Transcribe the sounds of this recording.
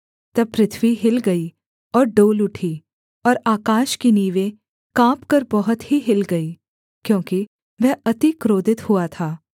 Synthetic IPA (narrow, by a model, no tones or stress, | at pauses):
t̪ɐb̚pɾɪt̪ʰʋiɦɪlɡɐi | ɔːɾɖoːlʊʈʰiː | ɔːɾaːkaːʃkiniːʋẽ | kãːpkɐɾbɐɦʊt̪ɦiɦɪlɡɐiː | kjõːki | ʋɛɦɐt̪ikɾoːd̪ɪt̪hʊat̪ʰaː